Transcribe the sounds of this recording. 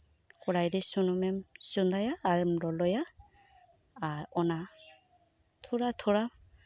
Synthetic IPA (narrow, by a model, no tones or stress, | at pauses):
kɔɾajdisunɔmɛmsund̪ajaːɹmlɔlɔja | ɹɔna | tʰuɹatʰuɹa